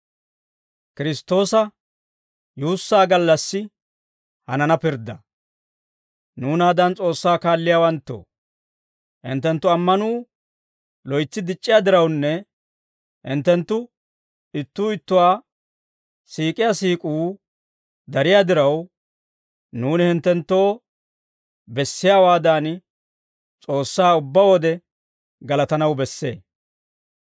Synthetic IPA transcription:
kɪɾɪst̪ːo̞ːsɐ | juːsːaːɡɐlːɐsːɪ | hɐnɐnɐpɪɾd̪ɐ | nuːnaːd̪ɐnt͡sʼo̞ːsːaːkaːlːɪjaːwɐnt̪ːo̰ː | ʔɪ̰nt̪ːɛnt̪ːʊɐmːɐnuː | lɔjt͡sːɪd̪ɪt͡ʃʼːɪjaːd̪ɪɾɐwnːɛ | ɪnt̪ːɛnt̪ːʊ | ɪt̪ːuːɪt̪ːʊwaː | siːkʼɪjaːsiːkʼuː | d̪ɐɾɪjaːd̪ɪɾɐw | nuːnɪhɪnt̪ːɛnt̪ːo̞ː | bɛsːɪjaːwaːd̪aːn | t͡sʼo̞ːsːaːʊbːɐwɔd̪ɛ | ɡɐlɐt̪ɐnɐwbɛsːe̞̰ː

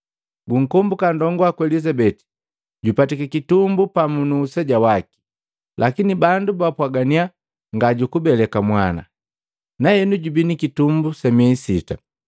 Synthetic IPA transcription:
ɡuŋ̩kɔmbukandɔŋɡɔakwɛlizabɛti̥ | ɟupatikakitumbupamunuːsɛɟawaki̥ | lʔakinibandubapwaɡania | ŋɡaɟukubɛlɛkamwana̰ | nahɛnuɟubinikitumbusɛmiɛisita̰

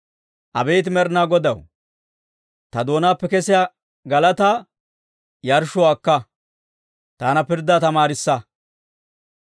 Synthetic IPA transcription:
ʔɐ̰bɛjt̪ɪmɛɾnaːɡɔd̪ɐw | t̪ɐd̪o̞ːnaːpːɛkɛsɪjaː | ɡɐlɐt̪aː | jɐɾʃʊwaːkːɐ | t̪aːnɐpɪɾd̪aːt̪ɐmaːɾɪsːɐ

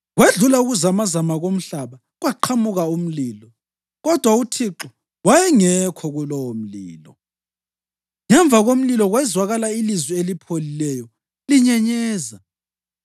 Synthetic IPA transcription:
ɣweɮulauɣuzamazamaɣom̩ɬaβa | ɣwaǃʰamuɣaum̩liːlɔ | ɣɔd̥ʱwautʰiǁɔ | wajɛŋɛkʰɔɣulɔwom̩liːlɔ̰ | ŋɛɱb̪vʱaɣom̩lilɔɣwɛzwaɣalailizwielipʰolilɛjɔ | liɲɛɲɛːza

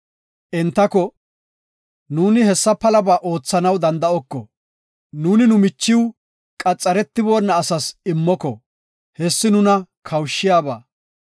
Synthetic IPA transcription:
ʔɛnt̪ːɐkɔ | nuːnɪhɛsːɐpɐlɐbaːʔo̞ːt͡sːɐnɐwd̪ɐnd̪ɐɔkːɔ̰ | nuːnɪnʊmɪt͡ʃːɪw | kʼɐt͡sʼːɐɾɛt̪ːɪboːnːɐːsɐsɪmːɔkɔ̰ | hɛsːɪnʊnɐ | kʰɐwʃːɪjaːba̰ː

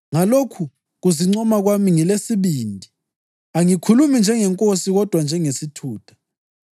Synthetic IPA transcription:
ŋalokʰu | ɣuziŋ͡ǀɔmaɣwamiŋilesiβiːndʱi | aŋikʰulumind͡ʒʱɛŋɛŋkʼosiɣɔd̥ʱwand͡ʒʱɛŋesitʰuːtʰḁ

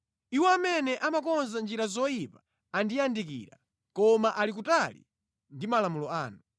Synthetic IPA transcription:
iwɔamɛnɛʔamakɔnzand͡ʒiɾazɔjipḁ | andijandikḭɾa̰ | kɔmaʔalik̬utalḭ | ndimalamulɔaːnu

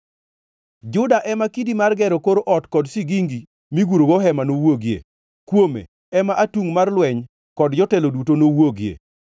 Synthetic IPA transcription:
d͡ʒʊdaʔɛmakidimarɡɛɾɔkoɾoʔɔtkɔdsiɡiŋɡi | miɡuɾoɡoɦɛmanowoɡjḛ | kwomḛ | ɛmaʔatuŋmarlwɛɲ | kɔdd͡ʒɔtɛlodutonowoɡjḛ

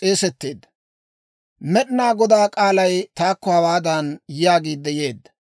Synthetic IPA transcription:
eːsɛt̪ːeːd̪ːɐ | mɛɗɪnaːɡɔd̪aːkʼaːlɐjt̪aːkːɔhɐwaːd̪anjɪjaːɡiːd̪ːɛje̞ːd̪ːɐ̥

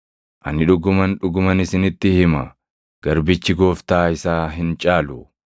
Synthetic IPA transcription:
ʔɐnːɪᶑʊɡʊmɐnᶑʊɡʊmɐnɪsɪnɪt̪ːɪhɪmɐ̰ | ɡ̥ɐɾbɪt͡ʃːɪɡo̞ːft̪aːɪsaːɦɪnt͡ʃʼaːlʊ

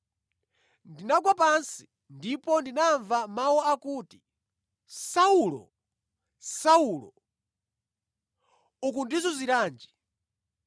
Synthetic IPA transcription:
ndinaɡwapansi̥ | ndipɔndinaɱvamawɔakuːti̥ | saulɔ̰ | sauːlɔ̰ | ukundizɔziɾaːnd͡ʒi

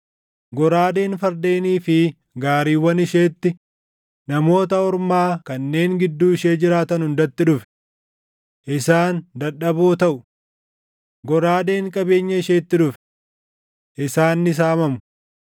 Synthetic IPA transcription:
ɡɔɾaːd̪e̞ːnfɐɾd̪e̞ːniːfɪ | ɡaːɾiːwːɐnɪʃe̞ːt̪ːɪ | nɐmo̞ːt̪ɐɔɾmaːkɐnːe̞ːŋɡɪd̪ːuːɪʃeːd͡ʒɪɾaːt̪ɐnhʊnd̪ɐt̪ːɪᶑʊfɛ̥ | ʔɪsaːnd̪ɐᶑːɐboːt̪ɐʔʊ | ɡɔɾaːd̪e̞ːŋkʼɐbe̞ːɲːɐɪʃeːt̪ːɪᶑʊfɛ̥ | ʔɪsaːnːɪs̬aːmɐmʊ̥

